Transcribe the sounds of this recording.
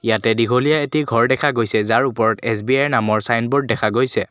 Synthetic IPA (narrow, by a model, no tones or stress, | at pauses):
ijatɛdiɡʱolijaetiɡʱɔɹdɛkʰaɡojsɛzaɹupɔɹɔtɛs̬biajnamɔɹsajnbɔɹdːɛkʰaɡojsɛ